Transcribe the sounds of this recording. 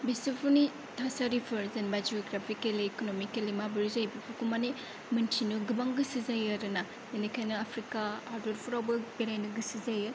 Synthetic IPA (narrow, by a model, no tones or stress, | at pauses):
bisipʰuni | tʰasaɾipʰɯɾzenbajd͡ʒoɡɾapʰikeleːkonomikelimabɐɾzajbipʰukumane | mɐntʰinuɡɯbaŋɡɯsizajaɾɯna | enikʰajnɐapʰɾikaːɾdoɾpʰuɾawbɐbeɾajnɐɡɯsizajɐ